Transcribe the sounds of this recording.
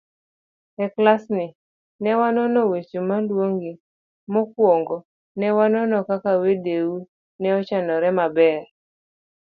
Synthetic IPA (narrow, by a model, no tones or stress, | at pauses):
ɛklasnɪ | nɛwanɔnɔwet͡ʃomalwoŋɡi | mɔkwoŋɡɔ | nɛwanɔnɔkakawedewu | nɛɔt͡ʃanɔɾɛmabɛr